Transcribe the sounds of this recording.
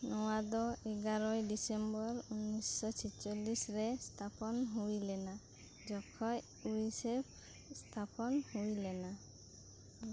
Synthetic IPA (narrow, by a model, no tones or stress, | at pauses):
nɔwad̪ɔeɡaɾɔjdisembɔɾunːisːɔt͡ʃʰit͡ʃɔlisɾest̪ʰapɔnɦujlɛna | d͡ʒɔkʰɔj | uisepʰ | st̪ʰapɔnhojlɛna